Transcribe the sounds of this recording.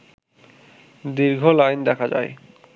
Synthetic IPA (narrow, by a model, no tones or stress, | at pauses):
d̪iɾɡʱolajnd̪ɛkʰad͡ʑa̰j